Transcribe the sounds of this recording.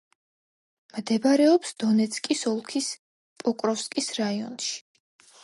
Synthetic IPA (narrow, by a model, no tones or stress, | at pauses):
md̪ɛbaɾɛɔpsd̪̥ɔnɛt̪sʰkʼisɔlˠkʰis | pʼɔkʼɾɔfskʼisɾaiɔ̰nʃi̥